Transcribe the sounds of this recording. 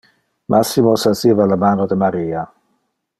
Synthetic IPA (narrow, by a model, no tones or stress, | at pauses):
mʔasːimosasiːvalamaːnod̪emaɾiːa